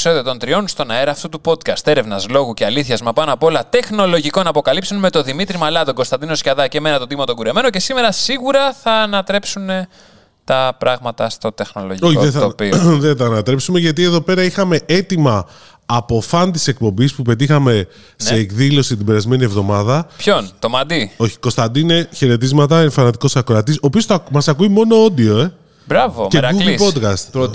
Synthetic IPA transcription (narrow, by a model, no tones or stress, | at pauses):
so̞ðiot̪o̞nt̪ɾio̞nst̪o̞nɐeɾɐːft̪ut̪upo̞d̪kɐst̪e̞ɾe̞vnɐzlo̞ɣuce̞ɐliθçɐzmɐpɐnɐpo̞lɐt̪e̞xno̞lo̞ʝiko̞nɐpo̞kɐlipsionme̞t̪o̞ðimit̪ɾimɐlɐt̪o̞ɡo̞st̪ɐnd̪ino̞scɐðɐce̞me̞nɐt̪ot̪imɐt̪o̞ɡuɾe̞me̞noce̞sime̞ɾɐsiɣuɾɐθɐːnɐt̪ɾe̞psune̞ | t̪ɐpɾɐɣmɐt̪ɐst̪o̞t̪e̞xno̞̰lo̞̰ʝioðeθopiðet̪ɐːnɐt̪ɾe̞psume̞ʝɐt̪̬ie̞ðo̞pe̞ɾɐixɐme̞e̞t̪imɐː | po̞fɐnt̪i̥se̞k̚po̞mbispupe̞t̪ixɐme̞ | se̞ːkðilo̞sit̪ibe̞ɾɐzme̞nie̞vðo̞mɐðɐpçont̪omɐd̪io̞çi̥ko̞st̪ɐnd̪ine̞çe̞ɾe̞t̪̬izmɐt̪ɐeɱfɐnɐt̪iko̞sɐkoɾɐt̪iso̞ːpiosθɐmɐsɐkuimo̞no̞o̞d̪io̞e̞ | bɾɐvomeɡuvlipo̞d̪kɐst̪